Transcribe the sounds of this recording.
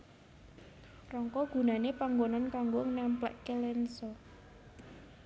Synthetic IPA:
rɔŋkɔɡ̥ṳnanepaŋɡonɔnkaŋɡoŋnampla̰ʔkelɛnsɔ

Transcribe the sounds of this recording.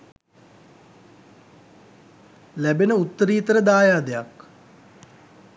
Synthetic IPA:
læbenəut̪ːəɾiːt̪əɾəd̪aːjaːd̪ejak

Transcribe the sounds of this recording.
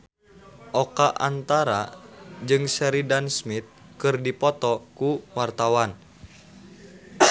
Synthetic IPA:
ʔɔkaʔant̪aɾad͡ʒɨŋsɛɾidansmit̪̚kɨrdipɔt̪ɔkuwart̪awan

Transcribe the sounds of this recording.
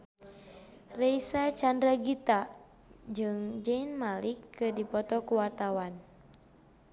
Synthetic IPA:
rɛisat͡ʃandɾaɡit̪a | d͡ʒɨŋd͡ʒɛinmalikːɨdipɔt̪ɔkuwart̪awan

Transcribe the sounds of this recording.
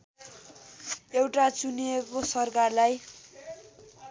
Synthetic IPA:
ewʈat͡suniekosʌrkarlaj

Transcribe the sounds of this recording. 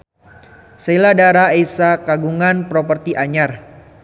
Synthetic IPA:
seiladaɾaesakaɡuŋanpɾɔpərt̪iʔaɲar

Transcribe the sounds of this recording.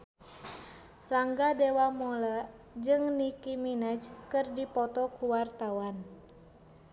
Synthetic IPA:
raŋɡadewamɔla | d͡ʒɨŋnikiminəd͡ʒkɨrdipɔt̪ɔkuwart̪awan

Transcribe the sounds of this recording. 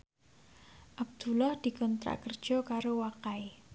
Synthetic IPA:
ʔab̚d̪̥ṳlahd̪̥i̤kɔnt̪ɾa̰kərd̥ʒ̥ɔ̤kaɾowakae

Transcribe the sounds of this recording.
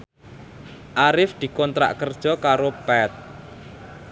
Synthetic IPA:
ʔaɾɪfd̪̥i̤kɔnt̪ɾa̰ʔkərd̥ʒ̥ɔ̤kaɾob̥ɛt̪̚

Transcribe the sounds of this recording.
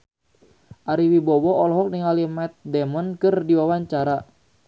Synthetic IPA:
ʔaɾiwibɔwɔɔlɦɔk̚niŋalimɛt̪̚dɛmɔnkɨrdiwawaɲt͡ʃaɾa

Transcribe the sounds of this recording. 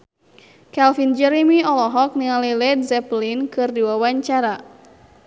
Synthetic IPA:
kɛlfind͡ʒɛɾimiɔlɔɦɔk̚niŋalilɛdzɛplinkɨrdiwawaɲt͡ʃaɾa

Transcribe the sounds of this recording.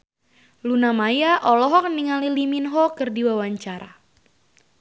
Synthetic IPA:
lunamajaʔɔlɔɦɔk̚niŋaliliminɦɔkɨrdiwawaɲt͡ʃaɾa̰

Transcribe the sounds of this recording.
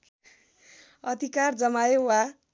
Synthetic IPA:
ʌd̪ʱikard͡zʌmajewa

